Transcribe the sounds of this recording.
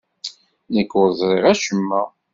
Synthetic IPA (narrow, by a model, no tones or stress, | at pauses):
nəkːʊɾzˤɾˤiʁæʃəmːæ